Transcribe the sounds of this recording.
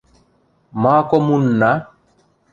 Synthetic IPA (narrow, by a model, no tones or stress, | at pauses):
maːkɔmunːa